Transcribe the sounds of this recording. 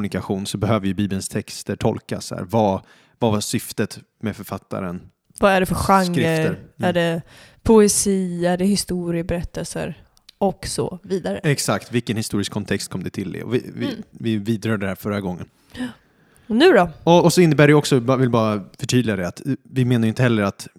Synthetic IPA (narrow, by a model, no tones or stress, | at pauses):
nɪkaɧuːnsɔbɛɦøːvəɪjɵbiːblənst̪ʰɛkst̪əʈʰɔ̰lka̰sæ̰ːɾvɑ | vavasʏft̪ət̪ | mɛfœɾfat̪ːa̰ɾən | vaæɖɛfœɧaŋːɾəfɾəɾæɖɛpʰʊɛsiːæɖɛhɪst̪uːɾɪəbɛɾɛt̪ʰːəlsə̰ɾ | ɔksɔ̰viːd̪aɾəɛksakt̪vɪlkənhɪst̪uːɾɪskʰɔnt̪ʰɛkst̪kʰɔmd̪ɛt̪ʰɪld̪ɛ̰ɔ̰vɪ̰vɪvɪviːd̪ɾœːd̪ədɛhæːɾfœɾːaɡɔŋːən | nʉ̟ːɾɔɔɔːsɔɪnːəbæːɖɛjɔksɔvɪlbɑːɾafœʈʰyːd̪lɪɡad̪ɛat̪vɪmeːnajʏɪnt̪əhɛlːəɾat̪